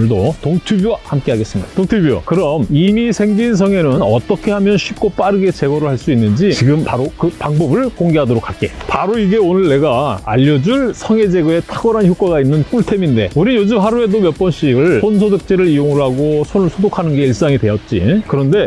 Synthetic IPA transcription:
ɯɭdotoŋtʰubjuwahamk͈e̞ɦaɡe̞s͈ɯmɲid̥ḁtoŋtʰubjuo̰kɯɾʌmimisʰe̞ŋd͡ʑinsʰʌŋe̞nɯnʌt͈ʌkʰe̞hamjʌnɕʰɥip̚k͈op͈aɾɯɡe̞t͡ɕe̞ɡʌɾɯɭhaɭs͈uinːɯnd͡ʑit͡ɕiɡɯmpaɾokɯpaŋbʌbɯɭkoŋɡe̞ɦadoɾokʰak͈e̞̰paɾoiɡe̞onɯɭːe̞ɡaa̰ʎːʌd͡ʑuɭsʰʌŋe̞d͡ʑe̞ɡɯe̞tʰaɡʌɾançjok͈waɡainːɯnk͈uɭtʰe̞minde̞̰uɾinjod͡ʑɯmɦaɾue̞domjʌp͈ʌnɕ͈iɡɯɭsʰonsʰodɯk̚t͡ɕ͈eɾɯɾijoŋɯɭɦaɡosʰonɯɭsʰodokʰanɯnɡe̞iɭs͈aŋide̞jʌt̚t͡ɕ͈ḭkɯɾʌnde̞

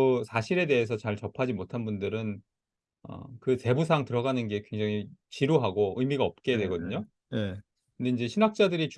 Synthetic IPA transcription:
sʰaɕʰiɾe̞de̞es̬ʰʌt͡ɕaɭt͡ɕʌpʰad͡ʑimotʰanbundɯɾɯn | ʌ̰kɯse̞busʰaŋtɯɾʌɡanɯnɡe̞kwe̞ŋd͡ʑaŋit͡ɕiɾoɦaɡoɯjmiɡaʌp̚k͈e̞dwe̞ɡʌdɯɲo | je | kɯnde̞ind͡ʑe̞ɕʰinak̚t͡ɕ͈adɯɾit͡ɕ

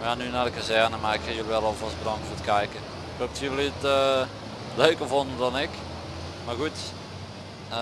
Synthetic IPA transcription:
ʋanynadəkasɛənəmaɪkhɪjolˠʋɛlˠɔlˠfɔst̚bərɔŋkfoːrət̚kʰɛjkə | ɪkop̚tʰivəlitə | løːkəfondədɔnɪk | marɡut

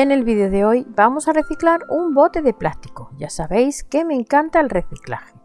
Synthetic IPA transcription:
ene̞lβiðeoðeo̞jbamo̞sare̞θiklaɾumbo̞t̪e̞ðe̞plast̪i̥koʝasaβe̞jske̞me̞ːŋkant̪aelre̞θikla̰xe

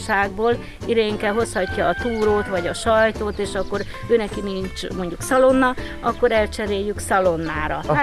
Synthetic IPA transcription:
ʃaːɡboːl | id̪eːŋkɛɦo̞shɒcːɒːt̪uːɾoːt̪ʋɒɟɒʃɒjt̪oːt̪eːʃɒkːo̞ɾ | øːnɛkinint͡ʃmo̞ɲɟuksɒlo̞nːɒ | ɒkːo̞ɾɛlt͡ʃɛɾeːjːyksɒlo̞nːaːɾɒ

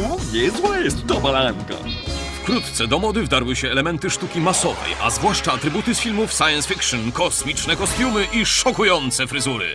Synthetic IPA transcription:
ɔɲɛzzwajɛst̪t̪ɔbalaŋka̰fkɾut̪t̪sɛd̪ɔmɔd̪ɘvd̪aɾwɘɕɛːlɛmɛnt̪ɘʂt̪ukʲimasɔvɛ̰jʔa̰zvwaʂt͡ʂaːt̪ɾɘbut̪ɘsfʲilmufsajɛnsfʲikʂɨnkɔsmʲit͡ʂnɛkɔst̪ʲjumɘʔiʂɔkujɔnt̪sɛfɾɘzuɾɘ̰

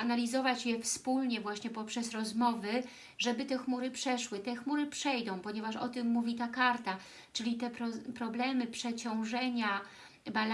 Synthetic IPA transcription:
analʲizɔvat͡ɕjɛfspulɲɛvwaɕɲɛpɔpʂɛsɾɔzmɔvɘ | ʐɛbɘt̪ɛxmuɾɘpʂɛʂwɘt̪ɛxmuɾɘpʂɛjd̪ɔ̃w̃pɔɲɛvaʂɔ̰t̪ɘmːuvʲit̪akaɾt̪a | t͡ʂɘlʲit̪ɛpɾɔpɾɔblɛmɘpʂɛt͡ɕɔ̃w̃ʐɛɲa | bal

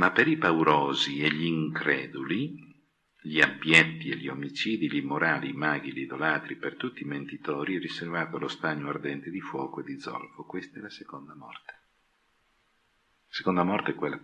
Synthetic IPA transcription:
mapːeɾipawɾoːzieʎiːŋkɾɛːd̪uli | ʎiabjɛt̪ːieʎiomit͡ʃiːd̪iʎimoɾaːlimaːɡ̟ilid̪olaːt̪ɾipert̪ut̪ːiːment̪it̪ɔːɾiɛriservaːt̪oalost̪aɲːoard̪ɛnt̪ed̪ifwɔːkoed̪id̪zɔ̰lfokwest̪aɛlasekond̪amɔ̰rt̪e̥ | ase̥kond̪amɔrt̪eɛkwelːa

